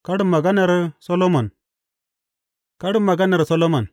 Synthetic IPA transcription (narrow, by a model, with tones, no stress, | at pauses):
ka˦ɽu˦mːa˨ɡa˦na˨ɾi˦so˦lo˦mo˨n | ka˦ɽu˦mːa˨ɡa˦ne˨ɾi˨so˦lo˦ma˨n